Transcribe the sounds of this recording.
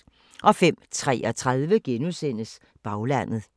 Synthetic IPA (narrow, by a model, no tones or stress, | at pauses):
ʔɒ̽fem̰t͡sʰʁɛ̰ːʔɒ̽t͡sʰʁað̞ˠʋəɡ̥enusen̰əs | b̥ɑ̈ʊlæn̰ð̞̩ˠ